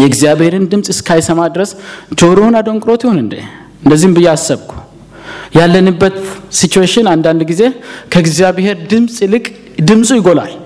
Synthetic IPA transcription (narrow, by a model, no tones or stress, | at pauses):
jɛɡzijaβhe̞ɾɨnd̪ɨmsʼɨskʰajsəmad̪ɾəsd͡ʒo̞ɾownad̪o̞ŋkʼɾo̞t̪jho̞nɨnd̪ə̰ | ɨnd̪əzːihmbɨjːɛasːəβkʰu̥ | jalːənɨbːət̪sit͡ʃueʃɪnand̪and̪ɡize̞kʰəɨɡzjaβheɾd̪ɨmsʼlɨkʼ | d̪ɨmsʼujɪɡo̞la̰l